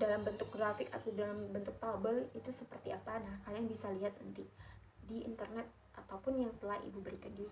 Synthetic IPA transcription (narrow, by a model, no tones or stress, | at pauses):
dalambənt̪ʊk̚ɡɾafɪka̰t̪awdalambənt̪ʊk̚t̪abəlit̪usəpərt̪iapanahkaaŋbisaliɦat̪̚nənt̪i | diḭnt̪ərnɛt̪̚ | ʔat̪awpʊnjaŋt̪əlahḭbubəɾikandii